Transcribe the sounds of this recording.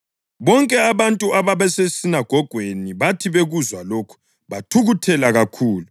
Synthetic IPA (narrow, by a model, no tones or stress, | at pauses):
βɔŋkʼɛaβantʼuaβaβɛsesinaɡ̥ʱɔɡ̥ʱweniβatʰiβeɣuzwaloːkʰu̥ | βatʰuɣutʰɛlaɣakʰuːlu